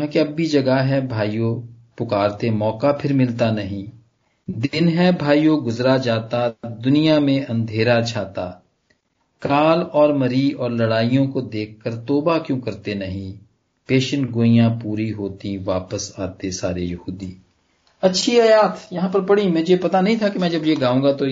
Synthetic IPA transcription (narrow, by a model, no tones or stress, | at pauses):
ãkeɐbːʱid͡ʒɐɡaɦɛbʱaːijo | pʊkaːɾt̪emɔːkapʰɪɾmɪlt̪anɐɦĩ | d̪ɪnɦɛbʱaːijoɡʊzɾad͡ʒaːt̪ad̪ʊnijamẽɐ̃nd̪ʱeːɾat͡ʃʰaːt̪a | kaːlɔːɾmɐɾiɔːɾlɐɽaːijõkod̪eːk̚ʰkːəɾt̪oːbakjõːkɐɾt̪enɐɦĩ | peːʃənɡoːijãpuːɾiɦoːt̪iʋaːpəsaːt̪esaːɾejɐɦuːd̪iː | ɐtːʃʰiɐjaːt̪jɐɦãːpəɾpɐɽimɛ̃ːd͡ʒepɐt̪anɐɦĩt̪ʰakemɛ̃ːd͡ʒɐbjeɡaːũːɡat̪o